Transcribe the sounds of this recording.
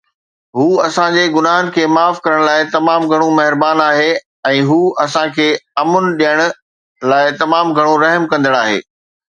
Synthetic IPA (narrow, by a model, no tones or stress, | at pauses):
ɦuːɐsãd͡ʑeɡʊnaːɦənɪ̆kʰeːmaːfkɐɾəɽ̃laːɪt̪ɐmaːmɡʱɐɽ̃ũmɐɦɪɾbaːnaːɦe | ɛ̃ːɦuːʔɐsãkʰeːɐmʊnɪ̆ɗijəɽ̃ʊ̆ | laːɪt̪ɐmaːmɡʱɐɽ̃õɾɐɦmkɐ̃nd̪əɽ̃aːɦḛː